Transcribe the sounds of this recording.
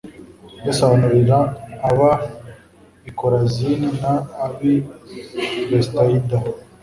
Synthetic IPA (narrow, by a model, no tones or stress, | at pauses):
jasaβanuɾiɾaːβa | ikoɾazininaːβi | bestaida